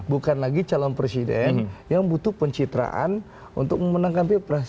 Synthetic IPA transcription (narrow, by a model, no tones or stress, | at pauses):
bukanlaɡit͡ʃalɔnpɾesidɛnnjaŋbut̪upəɲt͡ʃit̪ɾa̰ʔa̰n | ṵnt̪ʊk̚mənaŋkampipɾa